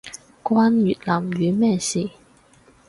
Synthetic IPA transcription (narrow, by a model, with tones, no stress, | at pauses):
kwaː˥nɥyː˨t̚laː˨˩mɥyː˨˦mɛː˥˩siː˨˩